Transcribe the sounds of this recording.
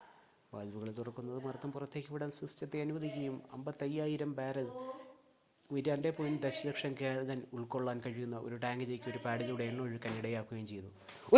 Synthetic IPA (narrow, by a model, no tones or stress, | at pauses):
ʋɐ̰ːlʋuɣɐɭt̪urɐkːunːɐðɨmɐrɐt̪ːɐmpurɐt̪ːe̞ːkʲːɨʋiɽaːnsrist͡ɕɐt̪ːeɐnuʋɐðikʲːɐjumɐ̰mbɐt̪ːɐjːaːjiɾɐmbaːɾɐð | iɾaːnde̞pond̪eɕɐlɐkʂɐmkeːðɐnuɭko̞ɭːaːnkɐɻikːunːɐʔo̞̰ɾuʈaːŋɡɨt͡ɕejkːuo̞ɾupaːɽiluɽejeɳːɨoɻukːɐnːiɽɐjaːkːuɣɐjumt͡ɕe̞jt̪ːu | o